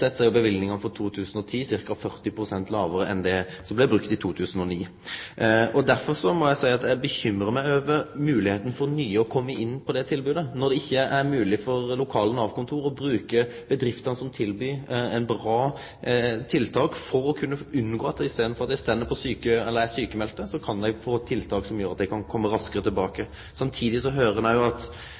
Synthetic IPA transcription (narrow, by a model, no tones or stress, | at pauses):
sɛt̪ːsæɪbəʋɪlnɪŋɑnfɔɾt̪ʰuːt̪ʰʉːsən̩ɔt̪ʰiːsɪɾkɑfœɾt̪ɪpʰɾʊsɛnt̪lɑːʋəɾəʔɛnd̪ɛ | sɔmblɛbɾʉk̚t̪ɪt̪ʰuːt̪ʰʉːsn̩ɔniː | ɔd̪æɾfɔɾsɔmɔjæɪsæɪɑt̪d̪æbəçʏmːɾəmæɪøːʋəmʉːlɪheːt̪n̩fɔɾnyːəɔkʰɔmːəʔɪnːpʰɔd̪ɛt̪ʰɪlbʉːd̪ənɔd̪ɛɪçːəʔæɾmʉːlɪfɔʁlʊkʰɑːlənɑʋkʰʊnt̪ʰuːɾɔbɾʉːkəb̥əd̪ɾɪft̪ɑnəsɔmt̪ʰɪlbyːɛɪnbɾɑː | t̪ʰɪlt̪ʰɑːkfɔɾɔkʰʉnːəʉnːɡoːɑt̪ːɪseːd̪n̩fɔɾɑt̪d̪æɪst̪ɛːd̪ːəpʰɔsyːkəɛlːəɾæsyːkəmɛlt̪əsɔkʰɑnd̪ɛɪfoːt̪ʰːɪlt̪ʰɑːksɔmjøːɾɑt̪d̪ɛɪkʰɑnkʰɔmːəɾɑskəɾət̪ʰɪlbɑːkə | sɑmt̪ʰiːd̪ɪsɔɦøːɾəd̪æɪʊɑt̪